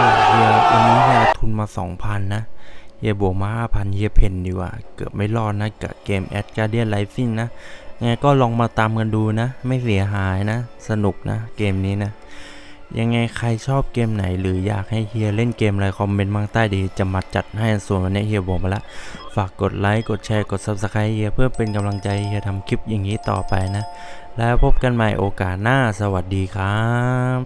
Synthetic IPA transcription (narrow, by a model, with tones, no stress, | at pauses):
a˧˩hʰi˧əʔa˧nːiː˦˥hʰi˧əlt̪ʰu˧nmaː˧sɔ̰ː˩˦ŋpʰa˧nːa˦˥hi˧˩əbo˨˩˦maː˧haː˥˩pʰa˧nhʰi˧əpʰe˧ndi˧wa̰ː˧˩kɯ̰˨˩p̚ma˥˩jlɔː˥˩t̪̚na˦˥˩ka̰˧˩keː˧mʔɛ̰ː˨˦˩t̪̚kaː˧di˧˥˩ənla˨˦jsi˧˩nna˦˥ja˧ŋːa˧jkɔː˥˩lɔː˧ŋmaː˧t̪aː˧mka˧nduː˧na˦˥ma˥˩jsi˨˩˦ɐɦaː˨˦jna˦˥sa˧nu˨˩k̚nʔa̰˦˥keː˧mniː˦˥na˦˥ | jʔa̰˧ŋːa˧jkʰa˧jt͡ɕʰɔː˥˩p̚keː˧mna˨˦jlɯː˩˨˦ja̰ː˨˩k̚ha˥˩jhʰi˧əle˥˩nkeː˧mla˧jkʰɔː˧˦mme˧nmaː˧˥˩ŋt̪aː˧˥˩jdiː˧t͡ɕa˧˩ma˧˩t̪̚t͡ɕa˨˩t̪̚ha˧˩ja˧˩nsu˨˩˦nwa˧ni˧˥˨hʰi˧ə˧bɔː˨˦maː˧la˦˥ʔfaː˨˩kːo˨˩t̪̚la˨˦jko˨˩t̪̚t͡ɕʰɛː˧˥ko˨˩t̪̚saː˧˩p̚sa˧kʰa˧˥˧hi˧əpʰɯ˥˩pe˧nka˧mla˧ŋt͡ɕa˧jhi˧ət̪ʰa˧mkʰi˦˥p̚ja˨˩ŋːiː˦˥˨t̪ɔ̰ː˨˩pa˧jna˦˥ | lɛː˦˥wpʰo˦˥p̚ka˧nma˧˩jʔoː˧kaː˨˩t̪̚naː˥˩sa˧wa˨˩t̪̚diː˧kʰaː˦˥